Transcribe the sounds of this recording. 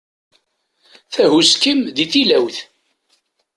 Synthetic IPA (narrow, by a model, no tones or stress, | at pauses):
θæhuskəmðiθilæwθ